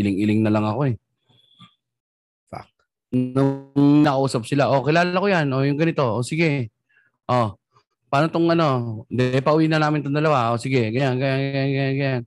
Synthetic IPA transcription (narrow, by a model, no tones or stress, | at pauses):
ʔɪlɪŋɪlɪŋnɐlɐŋɐko̞ɛ | fa̰k̚ | nʊŋnɐkɐʔuːsɐp̚sɪlaʔo̞kɪlaːlakojanʔo̞jʊŋɡɐnɪt̪o̞ʔosɪɡɛ | ʔo | paːnot̪oŋʔɐno̞d̪ɛpɐʔʊwiːnɐnaːmɪnt̪ond̪ɐlɐwaʔosɪɡɛɡɐjanɡɐjanɡjanɡɐjanɡɐjan